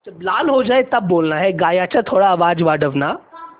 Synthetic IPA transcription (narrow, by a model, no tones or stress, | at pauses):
ɐblaːlɦod͡ʒaːet̪ɐbːoːlnaɦɛɡaːjat͡ɕat̪ʰoːɽaːʋaːd͡zʋaɽəʋna